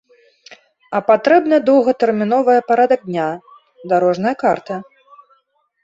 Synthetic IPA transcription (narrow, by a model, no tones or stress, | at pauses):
ɐpat̪ɾɛbnɨd̪ɔwɣɐt̪ɛrmʲinɔvɐjɐpaɾad̪ɐɡ̚d̪ʲnʲa | d̪aɾɔʐnɐjɐkart̪ɐ